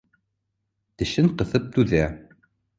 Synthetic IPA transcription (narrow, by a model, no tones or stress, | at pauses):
t̪ɘ̆ʃɘɴqɤ̆θɤp̚t̪ʉðæ